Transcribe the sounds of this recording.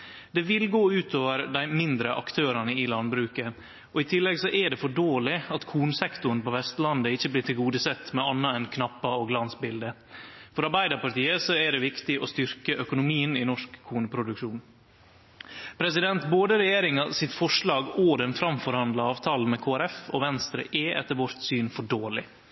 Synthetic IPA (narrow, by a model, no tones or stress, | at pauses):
d̪ɛʋɪlɡoːʉːt̪ʰoːʋəɾd̪æɪmɪnd̪ɾəʔɑkt̪ʰøːɾɑnəɪlɑnbɾʉːkə | ɔɪt̪ʰɪlːɛɡsɔʔɛɖɛfɔɖoːlɪɑt̪kʰuːnəsɛkt̪ʊɳ̩pɔʋɛst̪lɑnd̪əɪçːəbliːʈʰɪlɡuːd̪əsɛt̪ːmɛɑnːɑɛnkʰnɑpːɑoːɡlɑnsbɪld̪ə | fɔɾɑɾbæɪd̪ɑpɑʈiːəsɔæɖɛʋɪkt̪ɪʔɔst̪ʏɾkəʔœkʊnʊmiːənɪnɔʂkʰːuːnəpʰɾʊd̪ʉkʂuːn | pʰɾɛsɪd̪ɛnt̪boːd̪əɾɛjeːɾɪŋɑsɪt̪fɔʂɭɑːɡɔd̪ɛnfɾɑmfɔɾhɑnd̪lɑɑːʋt̪ʰɑːləmɛkʰoːæɾɛfɔ̰ʋɛnst̪ɾə̰ʔɛʔɛ̰t̪ːəɾʋɔɾt̪syːnfɔɖoːlɪ